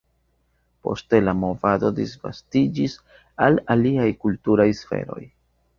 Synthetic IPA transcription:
po̞ste̞lamo̞vado̞disva̰stid͡ʒis | alaliajkultuɾajsfe̞̰ɾo̞̰j

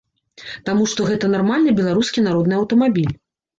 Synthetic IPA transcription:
t̪amuʂt̪ɔɣɛt̪ɐnarmalʲnɨbʲɛlˠaɾuskʲinaɾɔd̪nɨɐwt̪ɐmabʲilʲ

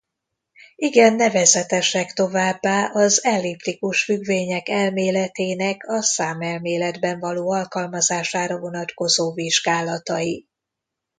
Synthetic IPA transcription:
iɡɛnːɛvɛzɛt̪ɛʃɛkt̪o̞vaːbːaːʔɒzɛlːiːpt̪ikuʃfyɡveːɲɛkɛlmeːlɛt̪eːnɛkʰɒsaːmɛlmeːlɛd̪bɛɱvɒloːɒlkɒlmɒzaːʃaːɾɒvo̞nɒt̪ko̞zoːviʒɡaːlɒt̪ɒji

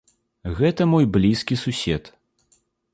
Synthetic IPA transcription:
ɣɛt̪ɐmɔjblʲiskʲisusʲɛt̪

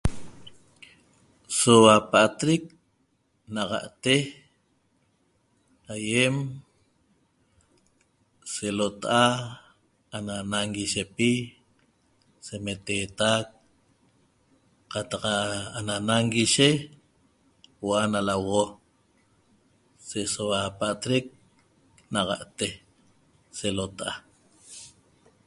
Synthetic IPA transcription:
sowapaʔat̪ɾik̚ | naʁa̰ʔt̪e | ajem | selot̪aʔa | ananaŋɡiʃepi | semet̪eːt̪ak̚ | qat̪ɑqaananaŋɡiʃe | wanalawʁo | seʔsowapaʔt̪ɾek̚ | naʁa̰ʔt̪e | selot̪aʔa

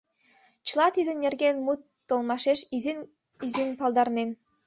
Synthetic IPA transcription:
t͡ʃilˠɑt̪id̪ɯnneɾɡenmut̪ːolˠmɑʃeʃizin | izinpɑlˠd̪ɑɾnin

